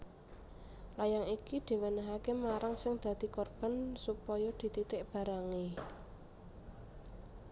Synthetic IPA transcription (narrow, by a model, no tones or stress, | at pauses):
lajaŋikid̪̥i̤wənəɦakemaɾaŋsɪŋd̪̥ä̤d̪̥i̤kɔrb̥a̤nsupɔjɔd̪̥i̤t̪it̪ɪʔb̥a̤ɾaŋe